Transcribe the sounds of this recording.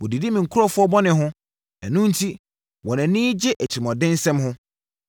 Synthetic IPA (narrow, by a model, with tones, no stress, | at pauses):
wɔ˨di˨di˦mĩ˨ŋ̩˨kʰʊ˦ɾɔ˦fʊ˦ɔ˦bɔ˦nɪ̃˨ɦʊ̃˦ | æ˨nũ˦n̩˦tʰi˦ | wɔ̃˨næ̃˨nĩː˦d͡ʑɪ˦ʔæ˨t͡ɕʰɪ˨ɾɪ˨mɔ˨dɪ̃˦n˦sɛ̃˦mhʊ̃˦